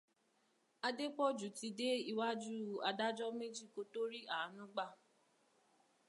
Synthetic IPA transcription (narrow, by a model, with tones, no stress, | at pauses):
a˧de˦k͡pɔ˦˨d͡ʒu˨˦ti˧de˦i˧wa˦d͡ʒu˦a˧da˦d͡ʒɔ˦me˦d͡ʒi˦˨ko˦to˦ɾi˦ʔa˨a˨˦nũ˦ɡ͡ba˦˨